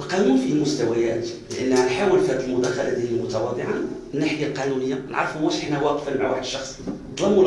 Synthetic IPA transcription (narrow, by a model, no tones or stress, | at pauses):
ʔlqɑnunfimʊst̪æwæjæt̪ləʔənːhænħawəlfihæd̪əlmʊd̪æxalæd̪inimʊt̪ɑwɑd̪ˤəʕamənːaħɪjalqɑnunəjːan̰ʕɑ̰ɾˤfumæʃħinæwæqfəlmaʕwaħəd̪əʃːɑxsˤd̪ˤlɑmːu